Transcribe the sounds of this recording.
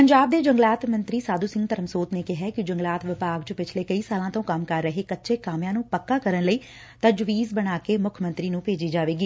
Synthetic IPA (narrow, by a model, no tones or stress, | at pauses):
pəɲd͡ʒaːb̚d̪eːd͡ʒəŋɡlaːt̪mənt̪ɾiːsaːd̪uːsɪ̃ŋɡt̪əɾəmsoːt̪neːkɪɦɛːkɪd͡ʒəŋɡlaːt̪ʋɪpaːɡt͡ʃəpɪt͡ʃʰleːkəiːsaːlãːt̪õːkəmkəɾːəɦeːkətːʃeːkaːmjãːnũːpəkːaːkəɾənləiː | t̪əd͡ʒʋiːzbəɽ̃aːkeːmʊkʰmə̃nt̪ɾiːnũːpeːd͡ʒiːd͡ʒaːʋeːɡiː